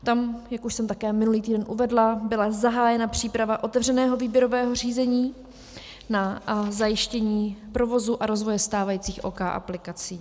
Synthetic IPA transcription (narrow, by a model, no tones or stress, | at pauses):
t̪amjakuʃsɛmt̪akɛːmɪnuliːt̪iːdɛnʔuvɛdlabɪlazaɦaːjɛnapr̝̥iːpɾavaʔo̞t̪ɛvr̝ɛnɛːɦo̞viːbjɛɾovɛːɦo̞riːzɛɲiː | nazajɪʃcɛɲiːpɾo̞vo̞zuʔaɾo̞zvo̞jɛst̪aːvajiːt͡siːxʔoːkaːʔa̰plɪkat͡siː